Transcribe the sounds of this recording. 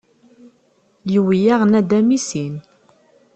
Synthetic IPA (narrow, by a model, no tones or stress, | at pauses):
jiwijaʁnæd̪æmisin